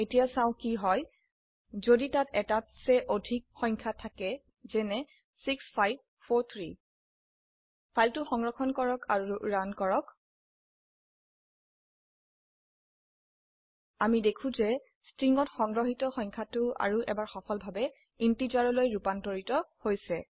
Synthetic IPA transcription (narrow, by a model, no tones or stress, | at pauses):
etijasãʊ̃kiɦɔj | zoditatɛtatsɛʔodʱik̚xɔjŋkʰatʰakɛ | zɛnɛ | sikspʰajb̚ | pʰoɹt̪ʰɹi | pʰajltʊxɔŋɹɔkʰɔnkɔɹɔka̰ɹuɹankɔɹɔk | amidekʰũzɛ | stɹiŋɔtxɔŋɹɔɦitɔxɔjŋkʰatʊa̰ɹuʔɛ̰baɹxɔpʰɔlbʱabɛ | intizaɹɔlojɹupantoɹitɔhojsɛ